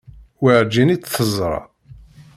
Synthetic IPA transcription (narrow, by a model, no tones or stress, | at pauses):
wəʕd͡ʒinit͡sːθəzˤɾˤɑ̰